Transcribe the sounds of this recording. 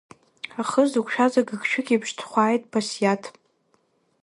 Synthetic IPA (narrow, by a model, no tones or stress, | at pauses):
aχəzukʷʼʃᶣazaɡɨkʰʼʃᶣɪkʲʼibʰʃtʰχʷaːjtʼpʰasjatʰ